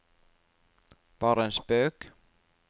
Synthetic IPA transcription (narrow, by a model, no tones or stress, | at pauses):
paɾɛnspœːk